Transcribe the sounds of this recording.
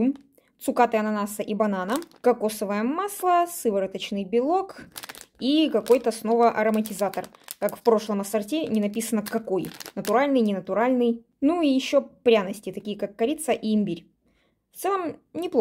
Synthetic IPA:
um | t̪sʊkat̪ɨɐnɐnasəʔibɐnanəkɐkosəvəjəmaslˠəsɨvəɾɨt̪ət͡ɕnɨjbʲɪlˠok | ikɐko̞jt̪əsno̞vəʔɐɾəmətʲɪzat̪ərkakfpɾo̞ʂlˠəmɐsɐrtʲenʲɪnɐpʲisənəkɐko̞jnət̪ʊɾalʲnɨjnʲɪnət̪ʊɾalʲnɨj | nuijɪɕːopɾʲanəsʲtʲɪt̪ɐkʲijəkakːɐɾʲit̪səʔiːmʲbʲiɾʲ | ft̪sɛlˠəmnʲɪplˠ

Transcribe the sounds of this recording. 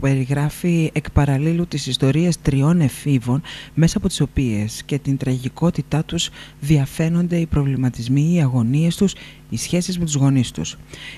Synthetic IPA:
pe̞ɾiɣɾɐfiekpɐɾɐlilut̪isist̪o̞ɾiest̪ɾio̞ne̞fivo̞nme̞sɐːpo̞t̪i̥so̞pie̞sce̞t̪int̪ɾɐʝiko̞t̪it̪ɐt̪uzðiɐfe̞no̞nd̪e̞ipɾo̞vlimɐt̪izmiːɐɣo̞nie̞st̪us | isçe̞sizme̞t̪uzɣo̞nist̪ṵs

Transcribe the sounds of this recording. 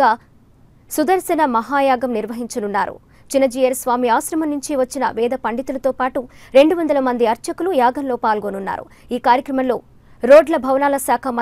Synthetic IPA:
aː | sud̪ɐɾsɐnɐmɐɦaːjaːɡɐmniɾʋɐɦiɲt͡ʃɐnunːaːɾṵ | t͡ʃinːɐd͡ʒiːjɐɾsʋaːmiaːʃɾɐmɐnːuɲt͡ʃiʋɐt͡ʃːinɐʋɛːd̪ɐpɐɳɖit̪ulɐt̪oːpaːʈuɾeɳɖuʋɐnd̪ɐlɐmɐnd̪iɐɾt͡ʃɐkulujaːɡɐnloːpaːlɡonunːa̰ːɾṵ | iːkaːɾjɐkɾɐmɐmlo̞ː | ɾoːɖlɐbʱɐʋɐnaːlɐsaːkʰɐmɐ

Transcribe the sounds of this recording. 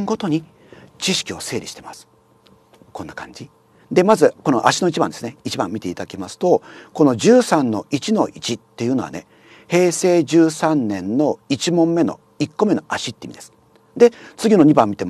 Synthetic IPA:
ŋɡo̞t̪o̞ɲ̟i | t͡ɕiɕi̥kʲio̞se̞ːɾʲiɕi̥t̪emasɨ̥ | kõ̞nːakã̰ɲ̟d͡ʑi | d̪e̞mazɨko̞no̞̰ʔaɕino̞it͡ɕibã̰nd̪e̞sɨneit͡ɕibã̰mːʲit̪e̞it̪ad̪akʲemasɨ̥t̪o̞ko̞no̞d͡ʑɨːsãnːo̞̰ʔit͡ɕino̞ʔit͡ɕit̪ːe̞jɯ̟ːno̞a̰ne̞ | he̞ːse̞ːd͡ʑɨːsãnːẽ̞nːo̞it͡ɕimõ̞mːe̞no̞̰ | ikːo̞me̞no̞ʔaɕit̪ːeimid̪esɨ̥ | d̪e̞t͡sɨɡʲino̞ɲ̟ibãmʲːit̪em

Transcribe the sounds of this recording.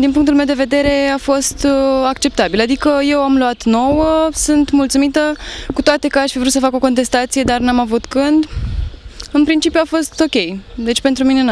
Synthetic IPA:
d̪inpuŋkt̪ulmewd̪e̞ve̞d̪e̞ɾe̞afo̞st̪akt͡ʃe̞p̚t̪abilad̪ikəje̞wamluat̪no̞wəsunt̪mult̪sumit̪əkut̪oat̪e̞kəaʃʲfivɾut̪səfako̞ko̞nt̪e̞st̪at̪sijed̪arnamavut̪kɨnd̪ | ɨnpɾint͡ʃipjuafo̞st̪o̞kʲe̞jd̪e̞t͡ʃpe̞nt̪ɾuminen

